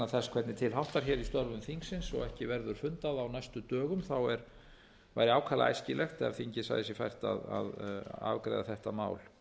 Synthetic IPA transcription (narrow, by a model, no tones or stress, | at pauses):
aθɛskʰvɛt̪nɪt̪ʰɪlɦawht̪aɾ̥çɛːɾist̪ɔɾvʏmθiŋksɪnsɔ̰ɣɛhcɪvɛɾðʏɾ̥fʏnt̪aðawnajst̪ʏt̪œːɣʏmθawɛɾ | va̰jɾɪawkʰaːla̰a̰jscɪlʔɛxt̪ɛθiɲcɪsa̰ɣðɪsjɛfa̰jr̥t̪a̰ða̰ða̰vkɾa̰jðaθɛht̪ama̰ːwl̥